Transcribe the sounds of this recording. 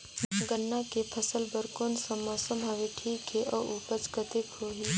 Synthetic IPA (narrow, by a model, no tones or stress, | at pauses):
ɡənːakepʰəsəlbəɾkoːnsəmɔːsəmɦɐʋeʈʰiːkɦeʔɔːʔuːpət͡ʃkət̪ekʰoːɦiː